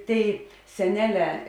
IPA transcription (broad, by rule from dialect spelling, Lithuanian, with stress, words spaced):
ˈtʲeːɪ sʲɛˈnʲæːˌlʲɛː